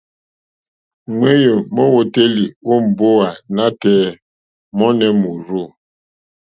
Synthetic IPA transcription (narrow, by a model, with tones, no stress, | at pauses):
ŋʷwe˦jo˨mɔ˦wo˨te˦li˨o˦m̩˨bo˦a˨na˦tɛː˦ | mɔ˦nɛ˨mu˨ɾu˦˨